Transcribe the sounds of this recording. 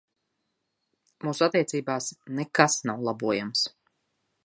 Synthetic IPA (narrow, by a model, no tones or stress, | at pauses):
muːsuat̪ːiɛt̪siːbaːsnekasnawlˠabuɔjams